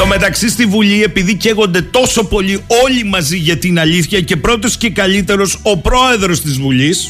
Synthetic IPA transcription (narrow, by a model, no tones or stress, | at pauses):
ome̞t̪ɐksist̪ivuʎie̞piðice̞ɣo̞nd̪e̞t̪o̞so̞po̞lio̞ʎimɐziʝɐt̪inɐliθçɐce̞pɾo̞t̪̬o̞sce̞kɐlit̪e̞ɾo̞so̞pɾo̞e̞ðɾo̞st̪izvuʎis